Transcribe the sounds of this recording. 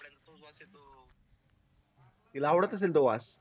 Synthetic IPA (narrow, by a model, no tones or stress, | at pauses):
t̪ilawɽət̪əs̬eld̪oʋa̰s